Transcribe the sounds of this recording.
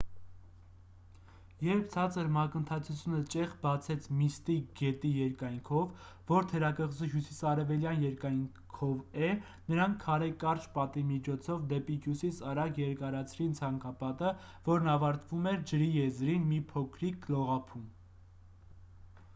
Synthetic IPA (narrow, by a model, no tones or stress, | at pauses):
jɛɾp̚ʰt͡sʰɑt͡səɾmɑkənt̪ʰɑt͡sʰut͡sʰjunət͡ʃɛʁbɑt͡sʰɛt͡sʰmist̪iɡɛt̪ijɛɾkɑjŋkʰɔvː | ɔɾt̪ʰəɾɑkəʁzuɦjusisɑɾɛvɛljɑnjɛɾkɑjŋ | kʰɔvɛ | nəɾɑŋkʰːɑɾɛkːɑɾt͡ʃpɑt̪imit͡ʃʰɔt͡sʰɔvd̪ɛpiɦjusisɑɾɑɡjɛɾkɑɾɑt͡sʰɾint͡sʰɑŋkɑpɑt̪əvɔɾnɑvɑɾt̪vumɛɾd͡ʒəɾijɛzɾinmipʰɔkʰɾik̚ɡlɔʁɑpʰum